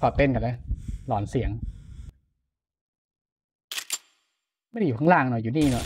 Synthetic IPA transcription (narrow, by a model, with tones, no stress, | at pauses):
ɔː˧˩t̪e˧˨nka˧˩lɛː˧˥˩lɔː˩˦nsi˨˩˦əŋ | ma˥˩˨duː˨˩a˧ŋlaː˧˩˨ŋnɔ˨˧˦juː˨˩niː˥˩nɔ˧˩